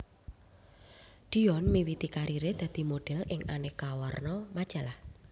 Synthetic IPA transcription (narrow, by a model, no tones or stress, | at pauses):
d̪̥i̤ɔnmiwit̪ikaɾiɾed̪̥ä̤d̪̥i̤moɖ̥ɛ̤lɪŋanɪkawɔrnɔmad̥ʒ̥a̤lah